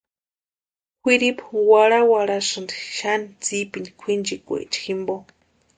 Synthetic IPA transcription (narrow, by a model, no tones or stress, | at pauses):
xʷiɾipwaɺawaɽasɨndiʃanit͡sipini̥kʷʰind͡ʒikʷḛt͡ʃi̥ximbo